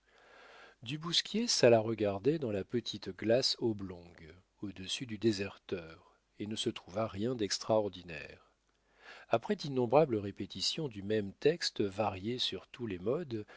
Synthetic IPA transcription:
d̪ybuskʲjesalaʁəɡaʁd̪ed̪ɑ̃lapət̪ʰit̪ɡlasoblɔ̃ɡ | od̪əsyd̪yd̪ezɛʁt̪œːʁ | enəsət̪χuvaʁjɛ̃d̪ɛkst̪χaɔʁd̪inɛ̰ʁ | apχɛd̪inːɔ̃bʁabləʁepet̪isjɔ̃d̪ymɛmt̪ɛkst̪vaʁjesyʁt̪ulemɔd̪

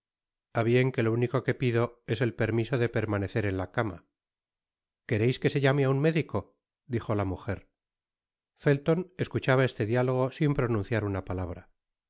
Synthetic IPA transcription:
aβ̞je̞ŋke̞lo̞uniko̞ke̞piðo̞e̞se̞lpe̞ɾmiso̞ðe̞pe̞ɾmane̞θe̞ɾe̞nlakama̰ | ke̞ɾe̞jske̞se̞ʎameauŋme̞ðiko̞ | d̪ixo̞lamuxe̞ɾ | fe̞lt̪o̞ne̞skut͡ʃaβae̞st̪e̞ðjalo̞ɣ̞o̞simpɾo̞nũnθjaɾunapalaβ̞ɾa

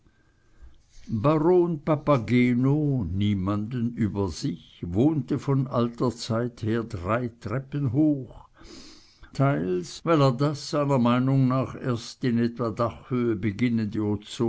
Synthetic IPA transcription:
baʁoːnpapaɡeːnoniːmandənʔyːbɐz̥ɪç | voːntəfɔnaltɐt͡saɪtheːɐdʁaɪtʁ̥ɛpənɦoːx | tʰaɪlsvaɪleːɐdasz̥aɪnɐmaɪnʊŋnaːχeːɐstɪnɛtv̥adaχhøːəbəɡɪnəndəot͡so

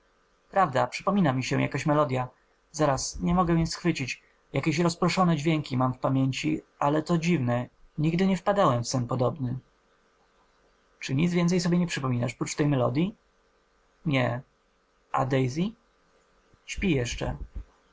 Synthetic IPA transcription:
pɾavd̪apʂɘ̥pɔmʲinamʲiɕɛja̰kaɕmɛlɔd̪ʲja | zaɾasɲɛmɔɡɛisxfɘt͡ɕit͡ɕ | jakʲeɕ̬ɾɔspɾɔʂɔnɛd͡ʑvʲjɛŋkʲimamfpamʲjeɲt͡ɕḭʔalɛt̪ɔd͡ʑivnɛɲiɡd̪ɘɲɛfpad̪awɛmfsɛnpɔd̪ɔbnɘ | t͡ʂɘɲid̪zvʲɛnt̪sɛjsɔbʲeɛɲɛpʂɘpɔmʲinaʂpɾut͡ʂt̪ɛjmɛlɔ̰d̪ʲji | ɲɛ | ʔa̰d̪ɛjzʲi | ɕpʲijɛʂt͡ʂɛ̰

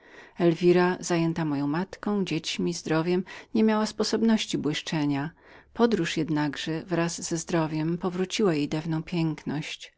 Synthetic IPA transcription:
ɛlvʲiɾazajɛnt̪amɔjɔ̃w̃mat̪kɔ̃w̃d͡ʑet͡ɕmʲizd̪ɾɔvʲjɛmɲemʲjawaspɔsɔbnɔɕt͡ɕibwɘʂt͡ʂɛɲapɔd̪ɾuʂjɛd̪naɡʐɛvɾazːɛzd̪ɾɔvʲjɛmpɔvɾut͡ɕiwajejd̪ɛvnɔ̃w̃pʲjɛŋknɔɕt͡ɕ

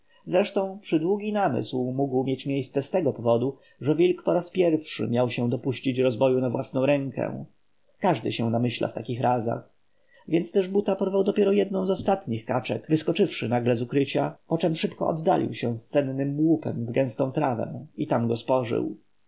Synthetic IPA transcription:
zɾɛʂt̪ɔ̃w̃pʂɘd̪wuɡʲinamɘ̰swmuɡwmʲjet͡ɕmʲjejst̪sɛst̪ɛɡɔpɔvɔd̪u | ʐɛvʲilkpɔɾaspʲjɛɾfʂɘ̰mʲjawɕɛ̃d̪ɔpuɕt͡ɕit͡ɕɾɔzbɔjunavwʔasnɔ̃w̃ɾɛŋkʰɛ̰̃ | kaʐd̪ɘɕɛw̃namɘɕla̰ft̪akʲixɾaza̰x | vʲjɛnt̪st̪ɛʐbut̪apɔɾvawd̪ɔpʲjɛɾɔjɛd̪nɔ̃w̃zɔst̪at̪ɲixkat͡ʂɛ̰kvɘskɔt͡ʂɘfʂɘnaɡlɛzukɾɘt͡ɕapɔt͡ʂɛmʂɘpkɔ̰ʔɔ̰d̪ːa̰lʲḭwɕɛ̃st̪sɛnnɘmːwupɛ̰mvɡɛ̃w̃st̪ɔ̃w̃t̪ɾavɛ̰̃wit̪amɡɔspɔʐɘ̰w

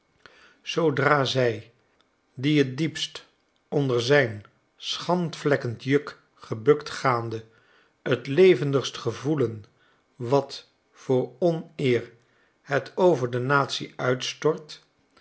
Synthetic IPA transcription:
sowdraːzɛj | diət̚dipst | ɔndəɹzɛjn | sχɑntflɛkəntjøk | χəbɵktχaːndə | ətlejvəndəχstχəvulən | ʋɑt | fʊːɹɔnɪːɹ | hɛtowvəɹdənaːtsḭœɥtstɔɹt

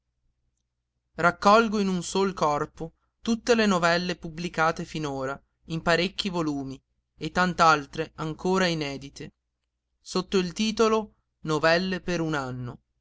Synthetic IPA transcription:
rakːɔlɡoinunsoːlkɔrpo | t̪ut̪ːelenovɛlːepublikaːt̪efinoːɾa | impaɾekːivoluːmi | et̪ːant̪alt̪ɾeaŋkʰoːɾainɛːd̪it̪e | sot̪ːoilt̪iːt̪olo | novɛlːepeɾunanːo

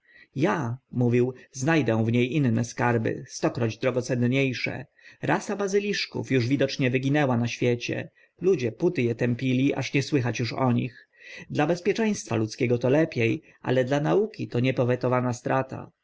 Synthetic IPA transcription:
jamuvʲiwznajd̪ɛ̃w̃vɲejinːɛskaɾbɘ̰st̪ɔkɾɔd͡ʑd̪ɾɔɡɔt̪sɛnɲejʂɛ̰ | ɾʔasabazɘlʲiʂkṵfjuʐvʲid̪ɔt͡ʂɲɛvɘɡʲinɛwanaɕfʲjɛt͡ɕɛ̰ | lud͡ʑɛput̪ɘjɛt̪ɛmpʲilʲiʔa̰ʂɲɛswɘxat͡ɕjuʂɔ̰ɲḭx | d̪labɛspʲjɛt͡ʂɛ̃j̃st̪fa̰lut̪skʲɛɡɔt̪ɔlɛpʲjej | ʔa̰lɛd̪lanaukʲit̪ɔɲɛpɔvɛt̪ɔvanast̪ɾat̪a̰

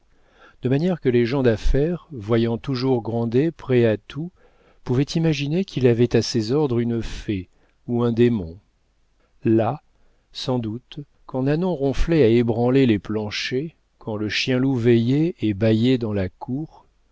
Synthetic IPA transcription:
d̪̥əmanjɛʁkəleʒɑ̃d̪afɛʁvwajɑ̃t̪uʒuʁɡʁɑ̃d̪epχɛat̪u | puvɛt̪imaʒinekʰʲilavɛt̪asezɔʁd̪ʁynfe | uɛ̃d̪emɔ̰̃ | la | sɑ̃d̪ut̪ | kɑ̃nanɔ̃ʁɔ̃flɛaebʁɑ̃leleplɑ̃ʃe | kʰɑ̃ləʃjɛ̃luvɛjɛebajɛd̪ɑ̃lakʰuːʁ

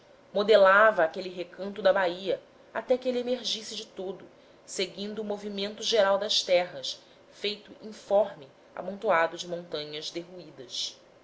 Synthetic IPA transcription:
mod̪elavɐːkelɪɦekɐ̃nt̪ʊd̪ɐbaiɐ | at̪ɛkɪelɪemeɾʒisɪd͡ʒɪt̪od̪ʊ | seɡĩnd̪ʊːmovimẽnt̪ʊʒeɾawd̪ɐʃt̪ɛɦɐs | fejt̪ʊʔĩfɔɾmɪ | a̰mõnt̪oad̪ʊd͡ʒɪmõnt̪ɐ̃ɲɐzd̪eɦuid̪ɐs

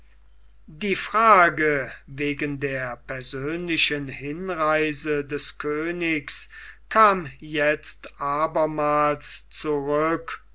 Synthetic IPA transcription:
diːfʁ̥aːɡəveːɡəndeːɐpɛɐzøːnlɪʃənhɪnʁaɪzədɛskʰøːnɪkskʰaːmjɛt͡st̪ʔaːbɐmaːlst͡suʁʏk

